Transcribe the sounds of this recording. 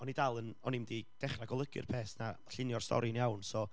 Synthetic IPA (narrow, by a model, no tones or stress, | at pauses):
ɔnidalˠənɔnimdid̥ɛχraɡɔlˠəɡɨ̰rpʰeːsna | ɬɪnjɔrstɔ̰ɾinjawnsɔ